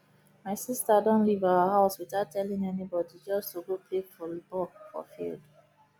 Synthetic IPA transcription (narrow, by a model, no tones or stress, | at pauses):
maɪsistadɔ̃nlivaəhaʊswitaʊtʰːɛlĩŋɛnibɔdid͡ʒɔstoɡopʰleɡfɔlibɔfɔ̰fḭld